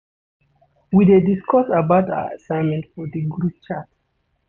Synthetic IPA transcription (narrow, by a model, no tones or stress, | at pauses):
widediskʰɔsabaʊta̰a̰sãɪ̃nmɛ̃ntfɔdəɡɹup̚t͡ʃat